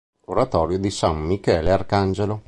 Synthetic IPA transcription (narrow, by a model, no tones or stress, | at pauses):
oɾat̪ɔːɾjod̪isamːikɛːlearkand͡ʒelo